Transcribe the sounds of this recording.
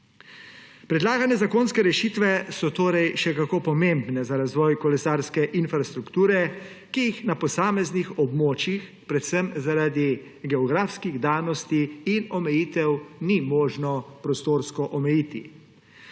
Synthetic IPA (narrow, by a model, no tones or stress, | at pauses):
pɾɛd̪laːɡanɛzakoːnskɛɾɛʃit̪ʋɛsɔt̪oːɾɛjʃɛkakopɔmembnɛzaɾazʋɔjkɔlɛsaɾskɛʔinfɾast̪ɾukt̪uːɾɛ | kijixnapɔsaːmɛznixɔbmoːt͡ʃix | pɾɛt̪səmzaɾaːd̪i | ɡɛɔɡɾaːfskiɣd̪aːnɔst̪iinɔmɛjiːt̪ɛwnimoːʒnɔpɾɔst̪oːɾskɔʔɔmɛjiːt̪ḭ